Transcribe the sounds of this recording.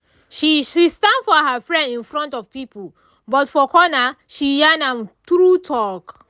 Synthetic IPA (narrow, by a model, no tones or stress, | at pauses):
ʃiʃistãndfɔɦafɹɛ̃ndĩnfɹɔ̃ntɔv̥pipul | bɔtfɔkɔna | ʃijanãmtɾutʰɔk